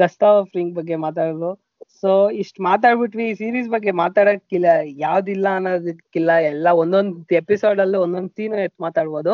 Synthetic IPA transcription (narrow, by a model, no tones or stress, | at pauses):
ɡɐsʈ̪afɾiŋɡ̚bɐɡːemaːt̪̬aːɽɐd̪u | soːiʂʈmaːt̪̬aːɽbiʈʋisiːɾiːsbɐɡːe̞maːt̪aːɽɐkːilːɐjaːʋd̪ilːɐːnːoːd̪ikːilːɐɛlːɐond̪ond̪episoːɖɐlːiond̪ond̪siːnuet̪ːmaːt̪aːɽboːd̪u